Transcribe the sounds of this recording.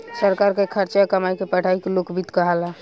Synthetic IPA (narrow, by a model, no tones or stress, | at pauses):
səɾkaɾkekʰəɾt͡ʃakəmajkepəʈʰaikelokbʱid̪kəɦala